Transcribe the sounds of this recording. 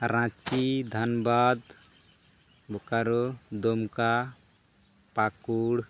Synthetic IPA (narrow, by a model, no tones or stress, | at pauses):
ɾãt͡ʃid̪ʱanbad̪ | bʱukaɾod̪omka | pakuɽ